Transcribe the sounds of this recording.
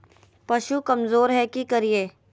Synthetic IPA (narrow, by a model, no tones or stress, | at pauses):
pɐʃukɐmzoːɾɦɛkikɐɾieː